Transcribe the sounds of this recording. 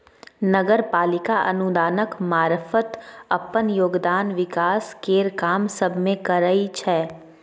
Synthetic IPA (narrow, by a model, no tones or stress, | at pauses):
nəɡəɾpaːlɪkaʔɐ̰nud̪aːnəkmaːɾfət̪ɐpənjoːɡd̪aːnʋɪkaːskeːɾkaːmsəbʱmẽkəɾəit͡ʃʰɛː